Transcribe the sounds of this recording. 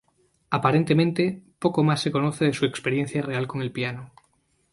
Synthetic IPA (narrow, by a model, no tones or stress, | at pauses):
apaɾent̪emẽnt̪e̞po̞ko̞masːe̞ko̞noθeðesue̞kspe̞ɾje̞n̟θjare̞alko̞ŋe̞lpiano